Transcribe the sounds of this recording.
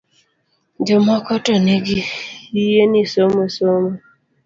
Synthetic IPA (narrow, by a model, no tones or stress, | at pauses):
d͡ʒomɔkɔtɔneɡiijenisomesomo